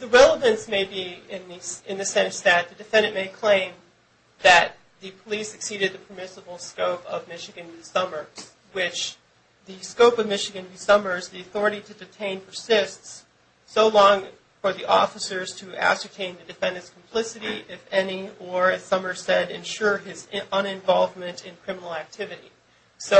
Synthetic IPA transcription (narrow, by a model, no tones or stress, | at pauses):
ðɨɹɛlˠəvɨ̃nsmeɪbiɪ̃nðɨɨ̃nðɨsɛ̃nsðɨt̪̚ðɨdɨfɛ̃ndɨ̃nmeɪkʰl̥ẽɪ̃m | ðɨt̪̚ | ðɨpʰəlisɨksiɾɨd̪̚ðɨpʰə˞mɪsəbl̩ˠskoʊpʌvmɪʃɨɡɨ̃nwisʌmə˞z̥ | wɪt͡ʃ | ðɨskoʊpʌvmɪʃɨɡɨ̃nwisʌmə˞zðiɨθɔɹɨɾiɾɨdɨtʰẽɪ̃npʰə˞sɪstsː | oʊlɔ̃ŋ | fə˞ðiʔɔ̰fəsə˞z̥tʰɨʔæ̰sə˞tʰẽɪ̃nðɨdɨfɛ̃ndɨ̃nskʰm̩pʰl̥ɪsɨɾiɪfɛniə˞ɨsʌmə˞sɛɾɨ̃nʃʊɹɪzʌ̃nɨ̃ɱvɑlˠvmɨ̃ntɨ̃nkʰɹ̥ɪ̃mənl̩ˠæk̚tʰɪvɨɾḭ | so